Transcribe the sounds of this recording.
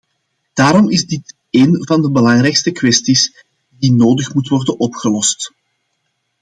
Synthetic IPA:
d̥aːɾɔmɪzdɪt | eːnvɑndəbəlɑŋɾɛjkstəkwɛstis | dinoːdəxmutʋɔrdənʔɔpxəlɔst

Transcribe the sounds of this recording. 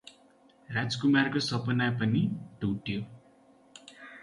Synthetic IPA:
rad͡zkumarkosʌpʌnapʌniɖʱuʈjo

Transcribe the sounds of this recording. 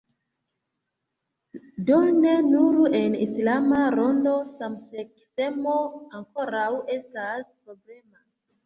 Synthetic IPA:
done̞nuɾue̞nislamaɾo̞ndo̞samseksemo̞aŋko̞ɾawe̞staspɾo̞ble̞ma

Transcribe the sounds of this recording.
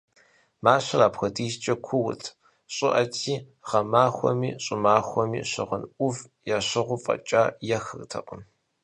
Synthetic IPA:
maːɕɐraːpxʷɐdiːzt͡ʃʼɐkʷʰʊwʊtʰ | ɕʼɪʔɐtʰiː | ʁɐmaːxʷɔ̰miːɕʼɪmaːxʷɔmḭːɕɪ̰ʁənʔʷʊv | jaːɕɪʁʷʊfʼɐ̰t͡ʃʼaːjɛxɨrtʰɐ̰qʼəm

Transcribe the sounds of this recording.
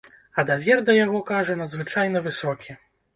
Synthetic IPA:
ɐd̪avʲɛrd̪ɐjaɣɔkaʐɛnɐd̪zvɨt͡ʂajn̪ɐvɨsɔkʲi

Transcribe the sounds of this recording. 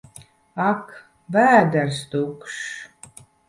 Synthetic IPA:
ak | væːd̪æɾst̪ukʃ

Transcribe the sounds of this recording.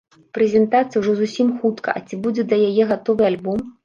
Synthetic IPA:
pɾɛzʲɛnt̪at̪sɨjwʐɔzusʲimxut̪kʰɐ̰ʔɐ̰t͡sʲibud͡zʲɛd̪lʲɐjajɛɣat̪ɔvɨalʲbɔm

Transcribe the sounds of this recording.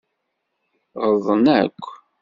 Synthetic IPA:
ʁəðˤənækʷː

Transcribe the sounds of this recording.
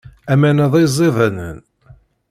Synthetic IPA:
æmænəðˤizˤːeðˤænə̰n

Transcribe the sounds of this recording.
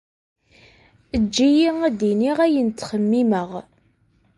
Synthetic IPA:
əd͡ʒːijiæd̪iniʁæjənt̪ːχəmːiməʁ

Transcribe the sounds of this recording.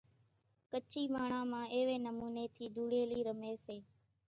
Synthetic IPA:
kət͡ʃʰiːmaːɳ̤ãːmãːʔeːʋeːnəmuːneːt̪ʰiːd̪ʱuːɽeːliːɾəmeːseː

